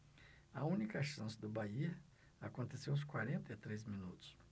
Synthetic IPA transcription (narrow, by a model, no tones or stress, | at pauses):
ɐũnikɐʃɐ̃sɪd̪ʊbai | akõnt̪esewʊs̬kwaɾẽnt̪ɐit̪ɾezmĩnut̪ʊ̥s